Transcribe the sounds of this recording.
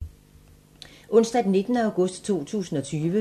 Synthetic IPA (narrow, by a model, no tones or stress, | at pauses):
ʔɔ̽n̰sd̥ɐd̥enːe̝d̥nəɑ̈ʊɡ̥ɔ̽sd̥t͡sʰo̝̰ːt͡sʰṵːsn̩ɒ̽t͡sʰyːʋə